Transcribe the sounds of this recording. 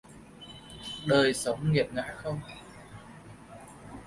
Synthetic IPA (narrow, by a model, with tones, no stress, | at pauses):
ɗəː˨˩jsə˨˦wŋ͡mŋi˨˩əp̚ŋa̰ː˧˥xə˧wŋ͡m